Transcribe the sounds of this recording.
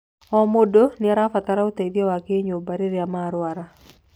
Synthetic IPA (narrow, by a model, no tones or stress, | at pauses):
ɔmodonɪaɾafat̪aɾaot̪adjɔwakeɲobaɾeɾjamaɾwaɾa